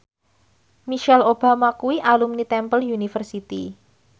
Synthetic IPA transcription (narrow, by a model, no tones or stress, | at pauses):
miʃɛlob̥amakuiʔalumnit̪ɛmpəljunifərsit̪ḭ